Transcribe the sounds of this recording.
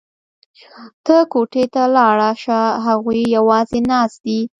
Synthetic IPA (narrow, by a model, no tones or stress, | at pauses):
t̪əkoʈet̪alɑɽaʃaɦaɣujjawɑzenɑsd̪i